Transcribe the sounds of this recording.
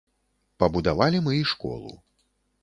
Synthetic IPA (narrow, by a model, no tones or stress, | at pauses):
pɐbud̪avalʲimɨiʂkɔ̰lˠṵ